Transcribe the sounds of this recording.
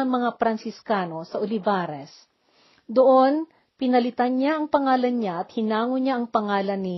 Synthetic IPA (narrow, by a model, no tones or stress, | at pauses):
ɐmɐŋapɾɐnsɪskaːno̞sɐʔolɪvaːɾɛs | d̪oʔo̞n | pɪnɐlɪt̪anɲaʔɐŋpɐŋaːlɐnɲaʔɐt̪̚hɪnaːŋoɲaʔɐŋpɐŋaːlɐnːɪ